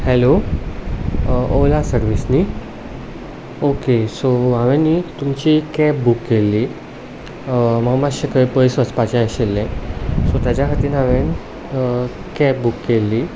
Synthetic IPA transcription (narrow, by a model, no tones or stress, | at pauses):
hɛlo | olasəɾʋisni | okesoãʋẽnit̪umt͡ɕikɛp̚bukːelːi | məɡmaɕekəipəjsʋət͡spat͡ɕãaɕelːɛ̃sot̪jad͡ʑjakʰəɾt̪iːnãʋen | kɛp̚bukːelːi